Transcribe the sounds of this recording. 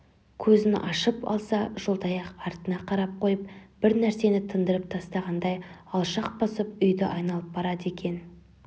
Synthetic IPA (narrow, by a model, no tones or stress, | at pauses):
kʲʰɵzɪnʔɑʃəpɑ̰lˠsɑʒ̥olˠd̪ɑjɑqɑɾt̪ənɑqʰɑɾɑp̚qʰo̞jəp̚b̥ɪɾnæɾse̞nɪt̪ʰənd̪əɾəp̚t̪ʰɑst̪ɑʁɑnd̪ɑjɑlˠʃɑq̚bɑsəp̚ʏjd̪ɪ̰ʔɑjnɑlˠəp̚bɑɾɑd̪e̞kʲʰe̞n